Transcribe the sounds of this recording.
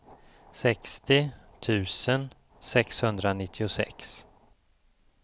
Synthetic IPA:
sɛkst̪ɪ | t̪ʰʉ̟ːsən | sɛkshɵnd̪ɾanɪt̪ʰːɪʊsɛ̰ks

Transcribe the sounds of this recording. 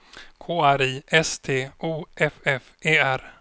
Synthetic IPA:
kʰoːæɾiːʔɛst̪ʰeːuːʔɛfɛfeːæɾ

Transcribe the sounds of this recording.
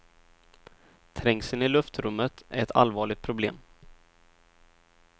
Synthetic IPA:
t̪ʰɾɛŋsənɪlɵft̪ɾɵmːət̪æɾɛt̪ʰa̰lvɑːɭɪɡ̚t̪̚pʰɾʊblḛːm

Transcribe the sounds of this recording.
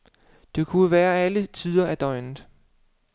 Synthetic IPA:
d̥e̝kʰuʋæːɐælət͡sʰiːð̞ˠɐæd̥ɒɪnð̩ˠ

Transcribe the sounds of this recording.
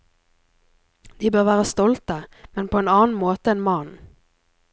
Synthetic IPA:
d̪̥iːbøːʁʋæːʁəst̪ɔlt̪əmɛnpʰoːeːnɑːn̩moːt̪əeːnmɑn

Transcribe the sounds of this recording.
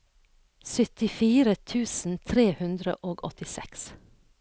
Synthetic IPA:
sʏt̪ɪfiːɾət̪ʰʉːsn̩t̪ʰɾeːhʉnd̪ɾə̰ʔoːɡɔt̪ɪsɛ̰ks

